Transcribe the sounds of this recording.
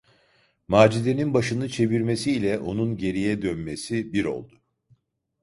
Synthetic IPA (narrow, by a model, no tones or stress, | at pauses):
maːd͡ʒid̪e̞ninbaʃɯnɯt͡ʃʰe̞viɾme̞siːlʲɛʔo̞nunɟe̞ɾijɛd̪ønmesibiɾo̞̰lˠd̪ʊ